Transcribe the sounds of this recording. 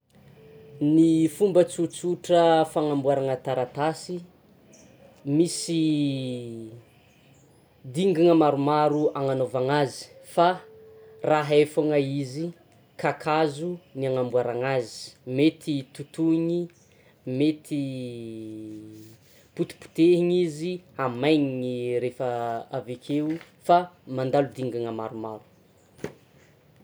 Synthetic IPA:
nifumbət͡sut͡suʈ͡ʂəfaŋambuaɾaŋət̪aɾat̪asi | misi | d̪iŋɡiŋəmaɾumaɾuaŋanovaŋazi̥fa | raɦefaŋəizi | kakʰazuniaŋambuaɾaŋazi̥met̪ʰit̪ut̪uɲi | met̪ʰi | put̪u̥pu̥t̪eɦiɲiziamajɲiniɾefəavekʰe | famand̪alud̪iŋɡaŋəmaɾumaɾu̥

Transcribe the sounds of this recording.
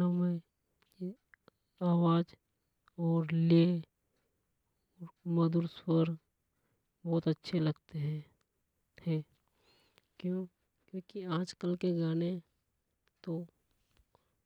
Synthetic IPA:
amẽ | aːwaːd͡ʒ | ɔːɾle | ɔːɾməd̪ʊɾswəɾ | bɔːt̪ətːʃʰelɐɡt̪eɦɛ̃ | hɛ̃ː | kjõː | kjõːkiãːd͡ʒkəlkeɡaːne | t̪o

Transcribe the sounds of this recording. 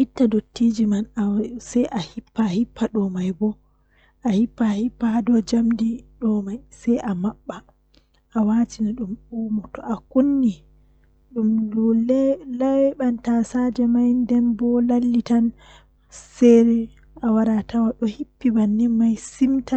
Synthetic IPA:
ʔitːadotːid͡ʒimanasɛjʔahipːahipʰːaɗɔmajbɔ | ʔahipːahipːaadɔd͡ʒamdiɗɔmajsɛjʔamaɓːa | ʔawatinaɗumuːmɔtɔʔakunːi | ɗumdɔlɛlawɛɓantasad͡ʒɛmajndɛnbɔlalːitan | sɛɾɛ | awaɾatawaɗɔhipːibanːimajsimta

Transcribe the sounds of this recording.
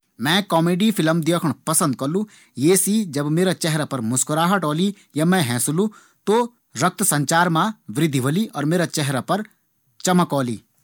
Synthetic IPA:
mɛ̃ːkɔːmeːɖipʰɪləmd̪eːkʰɽ̃pɐsə̃nd̪̚kɐlũ | jeːsiːd͡ʒɐbmeːɾat͡ʃɛɦɾapɐɾmʊskʊɾaːɦɐʈɔːli | jamɛ̃ɦɛ̃ːsʊlũ | t̪o | ɾɐk̚t̪sɐ̃ɲt͡ʃaːɾmãʋɾɪd̪ʱiʋɐliʔɔːɾmeːɾat͡ʃɛɦɾapɐɾ | t͡ʃɐməkɔːlḭː

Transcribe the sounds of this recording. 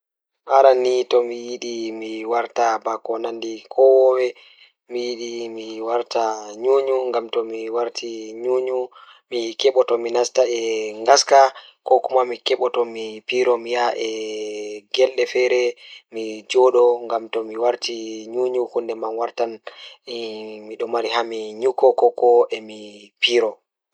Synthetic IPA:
ʔaɾanitɔmijiɗimiwaɾtabakɔnandikʰɔwɔwɛ | mijiɗimiwaɾtaɲuːɲuŋɡamtɔmiwaɾtʰiɲuɲu | mikɛɓɔtɔminastaɛŋɡaskakɔkumamikɛɓɔtɔmipiɾɔmijaʔɛ | ɡɛlɗɛfɛɾɛmid͡ʒɔɗɔŋɡamtɔmiwaɾtiɲuːɲuhundɛmanwaɾtan | miɗɔmaɾiɦamiɲukːɔkɔkɔʔɛmi | piɾɔ

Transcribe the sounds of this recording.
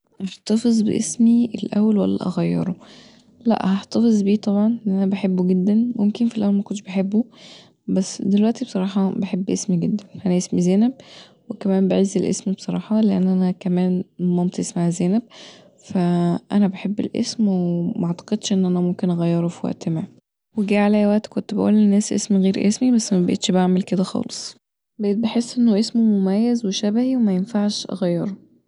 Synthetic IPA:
ʔɑħt̪ɑfezˤbḛʔesmielʔæ̰wːælwæ̰lːæ̰ʔɑ̰ɣæjːḛɾˤo | læ̰ʔhæħt̪ɑfezˤbiːt̪ˤɑbʕɑnʔenːʔænæbeħebːoɡed̪ːænmomkenfilʔæwːælmækont̪ːʃb̥eħebːu | bæsːd̪elwæʔt̪ibsˤɑɾˤɑːħɑbeħebːʔesmiɡed̪ːænʔænæʔesmizæːnæb̚ | wekæmæːmbeʕezːelʔḛsmibsˤɑɾˤɑ̰ːħɑleʔænːʔænækæmæːnmæmt̪esmæhæzeːnæb̚ | fæʔænæbeħebːḛlʔḛsmwemɑʕt̪ɑ̥qed̪ʃʔenːʔænæmomkenʔɑɣæjːɑɾˤofiwæ̰ʔt̪maʕ | weɡæːʕalæjæwæʔt̪kont̪bæʔṵːlenːæːsʔḛsmiɣeːɾʔesmibæsːmæbæʔḛt̪ʃbaʕmelked̪æxɑ̰ːlesˤ | bæʔeːt̪̚beħesːʔenːoʔesmomomæjːæzweʃæbæhiwemæjenfaʕʃʔæ̰ɣæjːɑɾˤo

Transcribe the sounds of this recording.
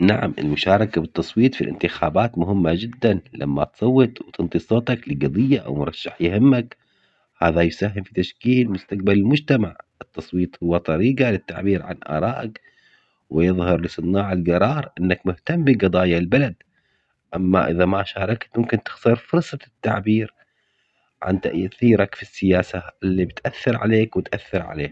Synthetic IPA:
naʕamʔɪ̰lmʊʃaːɾˤɑkabɪt̪ːɑsˤwiːt̪ˤfilʔɪ̰nt̪ɪxaːbaːt̪mʊɦɪmːad͡ʒɪd̪ːanlʔa̰mːa̰t̪sˤɑwːɨt̪ˤwt̪ɨnt̪ˤisˤoːt̪ˤɑklɪɡɑd̪ˤɨjːaʔa̰wmʊɾˤɑʃːaħjɪhɪmːak | haːðajʊsaɦːɪmfit̪aʃkiːlmʊst̪aq̚balɪlmʊd͡ʒt̪amaʕɨt̪ːɑsˤwiːt̪ˤhʊwːat̪ˤɑɾiːɡalɪt̪ːa̰ʕbiːɾʕa̰nʔɑ̰ːɾˤɑːʔak | wɪjɨðˤhɑɾˤlɪsˤɨnaːʕɪlɡɑɾˤɑːɾˤʔɪnːakmʊht̪amːbiɡɑd̪ˤɑːjalbalad̪ | ʔamːa̰ʔɪðamaʃɑːɾˤɑkt̪mʊmkɪnt̪ɪ̥xt̪ɑɾˤfʊɾsˤɑt̪ːaʕbiːɾ | ʕa̰nt̪a̰ʔʔθiːɾakfisːɪjaːsaɪlːibɪt̪ʔaθːɪɾʕa̰leːkwɪt̪ʔaθːɪɾʕa̰lḛː

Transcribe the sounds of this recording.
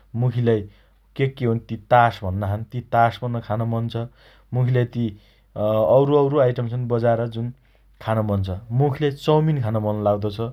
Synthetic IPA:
mukʰilaj | kekːeɦonit̪it̪asbʱʌnːʌkʰant̪it̪asbʱʌnːʌkʰanamʌnt͡sʰʌ | mukʰilejt̪i | ʌwɾoʌwɾoajʈʌmt͡sʰʌnbʌd͡zaeɾʌd͡zun | kʰanamʌnt͡sʰʌmukʰilejt͡sʌwminkʰanamʌnlawd̪ʌt͡sʰʌ

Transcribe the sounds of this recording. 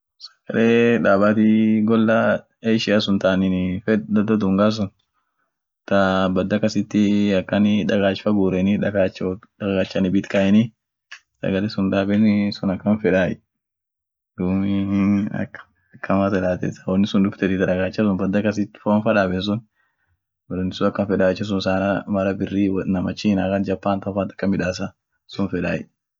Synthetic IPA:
sɐ̥ɡ̥ɐleːᶑaːbaːt̪iɡɔlːa | ejʃɪasʊnt̪anɪnfɛd̪ɐd̪ɔd̪ʊŋɡaːs̬ʊn | t̪ɐbɐd̪ːɐkɐsɪt̪ːɪɐkːɐnɪᶑɐɡaːt͡ʃfɐɡuːɾɛnɪᶑɐɡaːt͡ʃːɐɡaːt͡ʃːɐnɪbɪt̪kɐɛnɪ | sɐ̰ɡɐlesʊnᶑ̪aːbɛnsʊnɐkːɐnfɛᶑaːɛ | d̪umɪɐ̰kː | kʰːɐmɐt̪ɐlaːt̪ɛ̰sɐ̥wɔnːɪsʊnᶑ̪ʊbt̪ɛt̪ɪt̪ɐᶑɐɡaːt͡ʃːɐs̬ʊnbɐd̪ːɐkɐsɪt̪ːɪ̥fonfɐᶑaːbɛns̬ʊn | wdʊnɪsʊnɐkːɐnfɛᶑaːɛt͡ʃːɐs̬ʊnsaːnɐmɐɾɐbɪrːiːwnɐmɐt͡ʃːiːnakɐnd͡ʒɐpːaːnt̪ɐfant̪ɐ̥kːɐmɪᶑaːs̬ɐ | sʊnfɛᶑa̰ːjɪ

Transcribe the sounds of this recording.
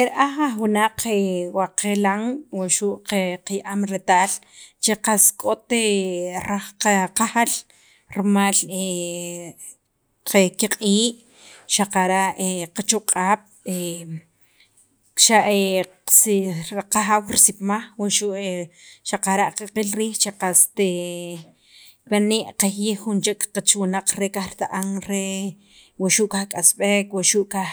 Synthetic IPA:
eɾʔaχaχwunaq͡χewaqelaŋwaʃuʔqeqajaʔamɾet̪aːl | t͡ʃeqaskʼot̪eɾaχqaqaxal | ɾmale | qekiqʼiːʔ | ʃaqaɾaʔeqat͡ʃuqʼaːp̚e | ʃaʔe | sqaxawɾisip̚maχwaʃuʔeʃaqaɾaʔqeqilɾiːxt͡ʃaqast̪e | waneʔqahjixχunt͡ʃekʼqat͡ʃwunaq͡χɾekaxɾt̪aʔaŋɾe | waʃuʔkaxkʼasɓekwaʃuʔka

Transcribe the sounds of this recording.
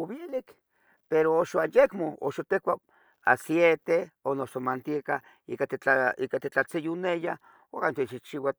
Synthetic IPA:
oβelik | peɾooʃoanjekmoo̰ʃot̪ekʷa | a̰sjet̪eonosomant̪ieka | ḭkat̪et͡ɬaikat̪et͡ɬat͡sejuneja | okant̪et͡ʃit͡ʃiwa

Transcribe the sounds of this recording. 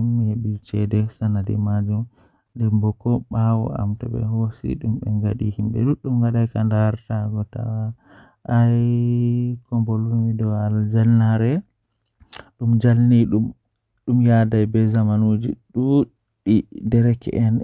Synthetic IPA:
umːeɓit͡ʃɛdɛsanadɛ̰mad͡ʒum | ndɛmbɔkːɔɓawɔ̰a̰mtaɓɛ̰ɦosḭɗumɓɛŋɡaɗihimbɛ̰ɗuɗumɡaɗajkandaɾtaɡɔta̰wa | ʔaj | kɔmbolumidɔald͡ʒalnaɾɛ | ɗumd͡ʒalniɗum | ɗumjadajbɛzamanud͡ʒḭɗu | ɗidɛɾɛkɛ̰ʔɛn

